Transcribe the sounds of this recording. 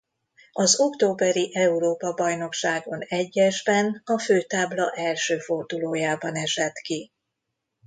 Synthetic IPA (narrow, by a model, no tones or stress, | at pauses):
ɒzo̞kt̪oːbɛɾiʔɛuɾoːpɒbɒjno̞kʃaːɡo̞nɛɟːɛʒbɛnɒføːt̪aːblɒʔɛlʃøːfo̞rd̪uloːjaːbɒnɛʃɛt̪ki